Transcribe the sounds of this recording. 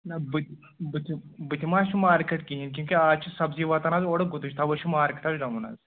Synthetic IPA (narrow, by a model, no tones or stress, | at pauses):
nɐbɨt̪ | bɨt̪ʰibɨt̪ʲʰimaːt͡ʃʰimaːɾkeʈkiɦink̬ʲjũːkʲiaːt͡ʃʰisɐbziʋɐt̪ɐnaːzoːɽɐɡut̪ud͡ʒt̪ʰaːʋɐʃʰimaːɾkʈ̪aːzɖɐmuna̰ːz